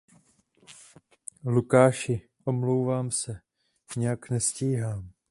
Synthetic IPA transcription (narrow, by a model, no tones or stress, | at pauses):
lukaːʃɪ | ʔo̞mlowvaːmsɛ | ɲɛjaknɛsciːɦaːm